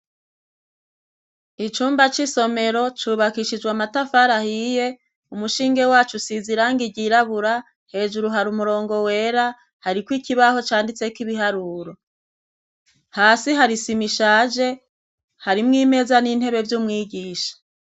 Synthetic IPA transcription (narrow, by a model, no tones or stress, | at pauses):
it͡ʃuːmbat͡ʃiso̞me̞ɾo̞t͡ʃuːβakiʃid͡ʒɡwamatafaɾahije̞ | umuʃiːŋɡe̞waːt͡ʃusiziɾaːŋɡiɟiɾaβuɾa | he̞ːʒuɾuɦaɾumuɾo̞ːŋɡo̞we̞ːɾa | haɾikwikiβaho̞t͡ʃaːndit͡se̞kiβiɦaɾuːɾo̞ | haːsiɦaɾisimiʃaːd͡ʒe̞ | haɾimŋiːme̞ːzaniːn̥he̞βe̞vjumŋiːɡiːʃḁ